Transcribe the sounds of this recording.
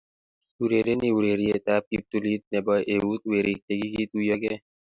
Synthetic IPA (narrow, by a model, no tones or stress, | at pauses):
uɾeːɾeniuɾeːɾiet̪aːp̚kip̚t̪uliːt̪̚nebaʔeut̪̚weːɾik̚t̪eɡiɡiːt̪ujɐɡe